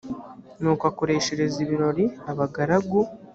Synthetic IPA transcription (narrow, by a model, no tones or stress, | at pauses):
nuːkwakoɾe̞ːʃe̞ɾe̞ziβiɾo̞ɾiaβaɡaɾaɡu